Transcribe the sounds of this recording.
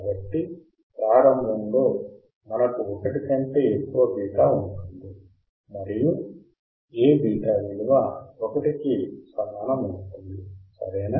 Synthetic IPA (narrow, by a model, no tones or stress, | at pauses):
kbɐʈːi | pɾaːɾɐmbʱɐmlo̞ː | mɐnɐkuɔkɐʈikɐɳʈe̞ːekːuʋɐbʱiːʈaːuɳʈund̪i | mɐɾiju | eːbʱiːʈaːʋiɭuʋaɔkɐʈikisɐmaːnɐmuʈund̪isɐ̰ɾɛjna